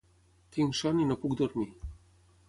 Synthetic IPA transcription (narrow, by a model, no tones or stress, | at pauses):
t̪iŋʃaninɔpuɡd̪ɔrmʲi